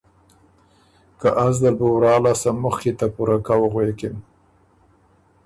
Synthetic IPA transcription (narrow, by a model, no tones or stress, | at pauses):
kaʔazd̪əbuwɾɑlɑsaməxket̪apuɾakawɣwekem